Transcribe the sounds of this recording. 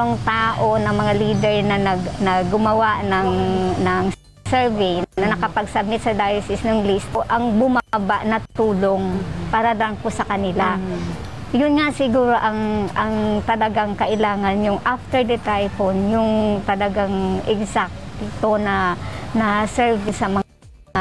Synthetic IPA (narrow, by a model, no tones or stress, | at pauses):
oŋt̪aːʔo̞nɐŋmɐŋaliːd̪ɛɹnɐnɐnɐɡʊmɐwaʔnɐŋnɐŋ | sɛɹvɛjnnɐnɐkɐpɐɡsɐb̚nɪt̪sɐd̪ajsɪsnoŋlist̪ʔoʔɐŋbʊmabaʔnɐt̪uːloŋpaːɾɐlɐŋpʊsɐkɐnɪla | jʊnŋaʔsɪɡuːɾo̞ʔɐŋʔɐŋt̪ɐlɐɡaŋkɐʔɪlaːŋɐnjʊŋʔaft̪ɛɹd̪ɐt̪ajponjʊŋt̪ɐlɐɡaŋʔɛɡsak̚t̪ɪt̪onɐnɐsɛɹvɪnsɐmɐ